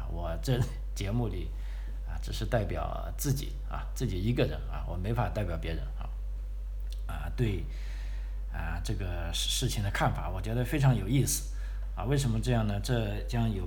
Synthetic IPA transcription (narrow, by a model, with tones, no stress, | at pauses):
wɔ˨˩ʈ͡ʂɤ˥˧˩ | t͡ɕjɛ˧˥mu˥˩li˨˩˦ | ɐ̰˧ʈ͡ʂɻ̩˨˩ʂɻ̩˥˧t̪a˥˩ɪpjɑ̰˨˩ʊ | t͡sɹ̩˥˩t͡ɕḭ˨˩˦ | ɐ̰˧t͡sɹ̩˥˩t͡ɕi˨˩i˧˥ɡə˥˧ɻə̰˧˥nɐ̰˧˩wɔ̰˨˩me˧˥ɪfa˨˩t̪a˥˩ɪpjɑ˨˩ʊpjɛ˧˥ɻə˧˥na̰˧˩ | ə̰˧t̪we˥˧ɪ | ə˧ʈ͡ʂɤ˥˩ɡə˩ | ʂɻ̩˥˩t͡ɕʰi˩ŋd̪ə˩kʰa˥˩nfa̰˨˧˥wɔ˨˩t͡ɕɥɛ˧˥d̪ə˧fe˥ɪʈ͡ʂʰɑ˧˥ŋjo˨˩ʊi˥˩sɹ̩˨˩˦ | ɐ̰˧we˥˩ɪʂ̬ə˧˥nmə˧ʈ͡ʂɤ˥˧jɑ˥˩ŋnə˩ʈ͡ʂɤ˥˩ | t͡ɕjɑ˥ŋjo˨˩